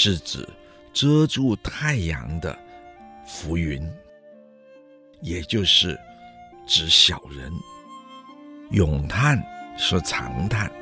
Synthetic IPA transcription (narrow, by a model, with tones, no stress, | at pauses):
ʂɻ̩˥˩t͡sɹ̩˨˩ | ʈ͡ʂɤ˥ʈ͡ʂu˥˧t̪ʰa˥˩ɪjɑ̰˧˥ŋd̪ə̰˧ | fu˧˥y˧˥n | jɛ˨˩t͡ɕjo˥˧ʊʂɻ̩˥˩ʈ͡ʂɻ̩˧˥ɕjɑ˨˩ʊɻə̰˧˥n | jʊ˨˩ŋt̪ʰa˥˩nʂɻ̩˥˩t͡sʰɑ̰˧˥ŋt̪ʰa˥˩n